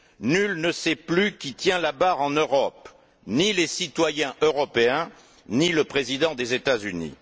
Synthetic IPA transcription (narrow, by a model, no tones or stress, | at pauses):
nylnəsɛplykʲit̪jɛ̃labaʁɑ̃nøʁɔp | nilesit̪wajɛ̃ʔøʁɔpeɛ̃ | niləpχezid̪ɑ̃d̪ezet̪azynḭ